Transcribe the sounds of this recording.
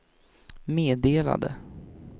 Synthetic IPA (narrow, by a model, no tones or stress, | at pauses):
meːd̪eːla̰d̪ə̰